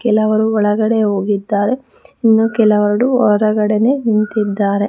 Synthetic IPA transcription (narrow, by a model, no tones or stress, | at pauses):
kɛlɐʋɐɾuɔɭɐɡɐɽeɦoːɡid̪ːaːɾe̞ | inːuːkɛlɐʋɐɾɐɽuɔɾɐɡɐɽenenint̪id̪ːaːɾe̞